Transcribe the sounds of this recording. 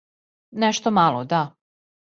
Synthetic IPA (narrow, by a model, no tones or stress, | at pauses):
nɛʃt̪omalˠod̪a